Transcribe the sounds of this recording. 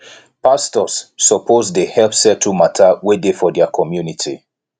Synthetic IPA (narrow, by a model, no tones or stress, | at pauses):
pastɔsːɔpʰozdehɛlpsɛtʰumatʰawedefɔdɛakʰɔmjunitʰi